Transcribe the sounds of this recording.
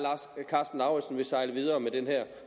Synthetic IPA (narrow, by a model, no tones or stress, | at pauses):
lɑskʰɑ̈ːsd̥n̩ɑ̈ʊəsn̩ʋe̝sɑ̈ɪləʋið̞ˠɐːmed̥enhæɐ̰